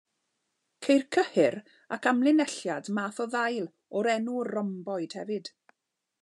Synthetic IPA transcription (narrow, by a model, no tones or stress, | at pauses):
kʰejrkʰəhɪɾ | akʰamlˠɪnɛɬjadmaːθɔðajlˠ | ɔɾɛnurɔmbɔɨd̥hɛvɨd̥